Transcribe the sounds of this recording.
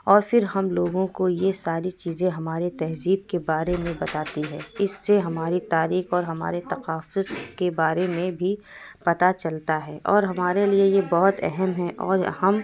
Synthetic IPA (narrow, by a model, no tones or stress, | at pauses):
ɔːɾfɪɾɦɐmloːɡõkojesaːɾit͡ʃiːzẽɦɐmaːɾet̪ɛɦziːb̚kebaːɾemẽbɐt̪aːt̪iɦɛːɪsːeɦɐmaːɾit̪aːɾiːxɔːɾɦɐma̰ːɾet̪ɐqaːfʊzkebaːɾemẽbʱipɐt̪at͡ʃɐlt̪aɦɛːʔɔːɾɦɐmaːɾeliejebɔɦʊt̪ɛ̰ɦɛmɦɛʔɔ̰ːɾhɐm